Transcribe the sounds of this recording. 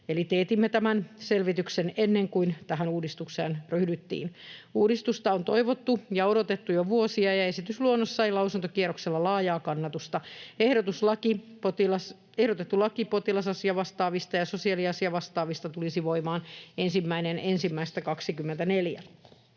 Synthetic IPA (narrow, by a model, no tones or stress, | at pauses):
elit̪eːt̪imːet̪æmænselʋit̪yksenenːeŋkuint̪æɦænuːdist̪ukseːnryhdyt̪ːḭːnuːdist̪ust̪ɑont̪oiʋot̪ːujɑoɾot̪et̪ːujoʋuosiɑjɑesit̪ysluonːosːɑilɑusunt̪okieɾokselːɑlɑːjɑːkɑnːɑt̪ust̪ɑehɾot̪uslɑkipot̪ilɑs | ehɾot̪et̪ːulɑkipot̪ilɑsɑsiɑʋɑst̪ɑːʋist̪ɑjɑsosiɑliɑsiɑʋɑst̪ɑːʋist̪ɑt̪ulisiʋoimɑːnensimːæinenensimːæist̪ækɑksikymːent̪æneljæ̰